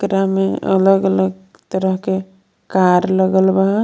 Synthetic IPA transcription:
kɾameə̰ləɡələɡ̚ | t̪əɾəɦke | kaɾləɡəlbaɦ

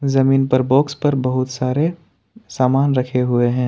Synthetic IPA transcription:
zɐmiːnpɐɾboːkspɐɾbɐɦʊt̪saːɾe | saːmaːnɾɐkʰeɦʊeɦɛ̃ː

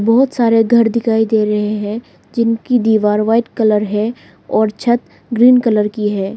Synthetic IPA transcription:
bɔɦʊt̪saːɾeɡʱɐɾd̪ɪkʰaːid̪eːɾɐɦeɦɛ̃ | d͡ʒɪnkid̪iːʋaːɾʋaːɪʈkələɾɦɛ | ɔːɾt͡ʃʰɐt̪ | ɡɾiːnkələɾkiɦɛː

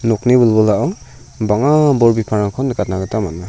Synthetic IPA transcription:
nɔknibulbɔlaʔɔw | baŋabɔɾbipʰaɾaŋkʰɔndkat̚naɡɯtʰamat̚ma

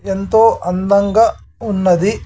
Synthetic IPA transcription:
ent̪oːʔɐnd̪ɐŋɡɐ | unːɐd̪i

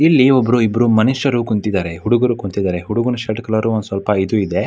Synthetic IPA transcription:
ilːiɔbːɐɾuibɐɾumɐniʃɐɾukunt̪id̪aːɾeɦuɽuɡɐɾukunt̪id̪aːɾeɦuɽuɡunɐʃɐʈkɐlɐɾuɔnd̪usʋɐlpɐid̪uid̪e̞

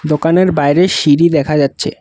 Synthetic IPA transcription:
d̪okaneɾbajɾeʃiɾid̪ɛkʰad͡ʑatːɕʰḛ

